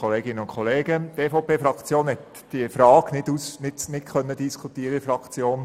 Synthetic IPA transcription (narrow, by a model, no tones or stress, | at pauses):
ɔleːɡɪnːəʊnkʰɔleːɡət̪eːfɔpʰeːfɾɑkt͡sjoːnhɛt̪ | d̥iəfɾɑːɡnɪdusnɪtnɪtkʰœnːəd̪iskʰut̪iəɾəɪfɾɑkt͡sjoːn